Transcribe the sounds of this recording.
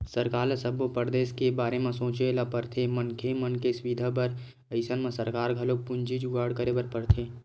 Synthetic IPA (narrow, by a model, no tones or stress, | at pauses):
səɾkaːləsəbopəɾd̪eːskebaːɾemẽsõːt͡ʃelapəɾt̪ʰemənkʰemənkeswid̪ʱapəɾ | əɪsənmẽsəɾkaːɾɡʱɐlok̚pʊ̃nd͡ʒid͡ʒuɡaːɽkəɾebəɾpəɽt̪ʰeː